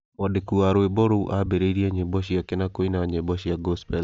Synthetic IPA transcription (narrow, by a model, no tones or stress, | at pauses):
mɔdekuaɾoebɔɾouʔabeɾeiɾiaɲebɔʃ̬iakenakoinaɲɛbɔʃiaɡɔspɛl